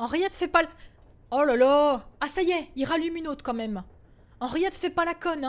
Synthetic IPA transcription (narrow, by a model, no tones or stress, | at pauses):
ɑ̃ʁijɛt̪fɛpa | olalaasajɛilʁalymynot̪χkɑ̃mɛm | ɑ̃ʁijɛt̪fɛpalakɔnɛ̃